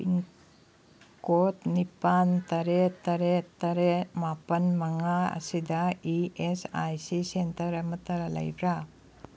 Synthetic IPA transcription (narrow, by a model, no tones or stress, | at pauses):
iŋ | kot̪nipant̪ɐɾet̪ɐɾet̪ɐɾemapɐnmɐŋaɐ̰sid̪aiesa̰jsisent̪ɐɾɐmɐt̪ɐɾɐlɐ̰jbɾa